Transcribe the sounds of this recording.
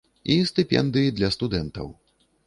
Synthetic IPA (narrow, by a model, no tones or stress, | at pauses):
ist̪ɨpʲɛ̰nd̪ɨjid̪lʲɐst̪ud̪ɛnt̪ɐ̰w